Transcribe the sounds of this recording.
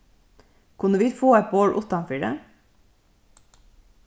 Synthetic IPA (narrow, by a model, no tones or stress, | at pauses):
kʰʉnəʋiːfoːɛt̪̚boːɽʔʊt̪ɑnfiːɖə̰